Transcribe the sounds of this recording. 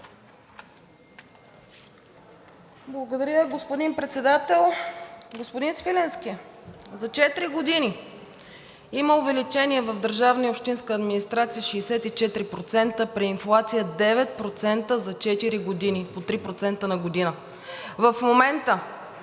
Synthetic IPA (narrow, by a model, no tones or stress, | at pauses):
blˠɐɡod̪ɐɾʲjəɡospod̪inpɾɛt̪sɛd̪at̪ɛlˠɡospod̪insvilɛnskʲizɐt͡ʃɛt̪ɾiɡod̪ini | iməovɛlit͡ʃɛniɛvɐvd̪əɾʒavnəiopʃt̪inskəːd̪minist̪ɾat̪sijəʃɛːsɛt̪it͡ʃɛt̪ɾipɾot̪sɛnt̪əpɾiːnflˠat̪sijəd̪ɛvɛt̪̚pɾot̪sɛnt̪əzɐt͡ʃɛt̪iɾiɡod̪inipot̪ɾipɾot̪sɛnt̪ənɐɡod̪inə | vəfmomɛnt̪ə